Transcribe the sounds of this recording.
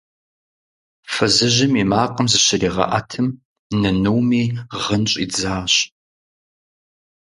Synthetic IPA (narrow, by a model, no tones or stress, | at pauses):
fɐzɨʑɪmiːmaːqʼəmzɨɕɪriːʁɐ̰ʔa̰ːtʰɨm | nɐnuwmiːʁənɕʼḭːd͡zaːɕ